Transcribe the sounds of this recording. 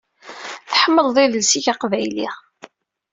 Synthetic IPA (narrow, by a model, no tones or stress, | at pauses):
θəħəmːəlðˤiðəlsiʝaqvæjlḭ